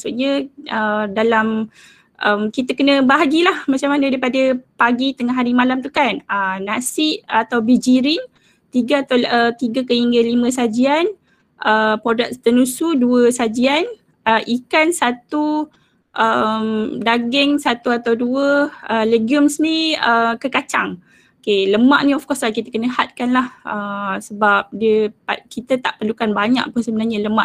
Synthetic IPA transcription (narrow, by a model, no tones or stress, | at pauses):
asuʔɲə̃ʔədalam | ʔəmkit̪əkənə̃baɦaɡilahmat͡ʃamanəaɾipadəpaɡit̪əŋaɦaɾimalamt̪ukanənasiʔat̪awbid͡ʒiɾin | t̪iɡəat̪aət̪iɡəkəhiŋɡəlimə̃sad͡ʒian | ʔəpɾodak̚t̪ənũsuduəsad͡ʒian | əʔikansat̪u | ʔəmdaɡɛŋsat̪uat̪awduəəleɡiumsniəkəkat͡ʃaŋ | okeləmaʔnĩɔfkɔslahkit̪əkənəhat̪̚kanlahəsəbap̚diəpakit̪ət̪aʔpərlukanbaɲa̰ʔpənsəbənaɲələmaʔ